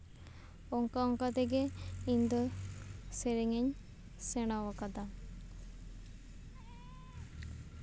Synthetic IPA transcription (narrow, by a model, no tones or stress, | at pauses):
ɔŋkaɔŋkat̪ɛɡeind̪ɔ | seɾɛŋeɲ | sɛɽ̃awakad̪a